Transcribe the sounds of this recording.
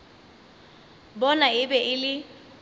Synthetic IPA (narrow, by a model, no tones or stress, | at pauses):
bɔnaɪbɛʔɪlɪ